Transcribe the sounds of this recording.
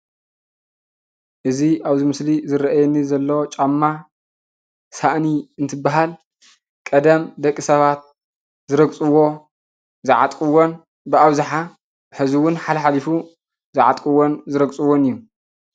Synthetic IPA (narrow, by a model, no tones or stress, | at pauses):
ʔɨziʔaβzimɨslizɨɾɐʔajɛnːizɐlːɐwot͡ʃʼamːa | saʔniɨnt̪ʰɨbːaɦal | kʼɐd̪ɐmd̪ɐkʼːisɐβat̪̚ | zɨɾɐɡt͡sʼɨwo̞ | zɨʕa̰t̪ʼkʼɨwon | bɨaβzaħa | ħɨzɨwʊnħalɐħalifu | zɨʕa̰t̪ʼkʼɨwonzɨɾɐɡsʼɨwːonɨjːu